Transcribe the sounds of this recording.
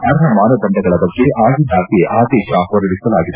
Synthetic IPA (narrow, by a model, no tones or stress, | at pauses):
ɐɾɐɦɐmaːnɐd̪ɐɳɖɐɡɐɭɐbɐɡːe̞ʔaːɡid̪aːkeʔaːd̪ɛːʃɐɦɔɾɐɽisɐlaːɡid̪e